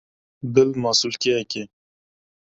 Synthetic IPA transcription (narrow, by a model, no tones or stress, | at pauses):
bɪlmɑːsulkɛɛke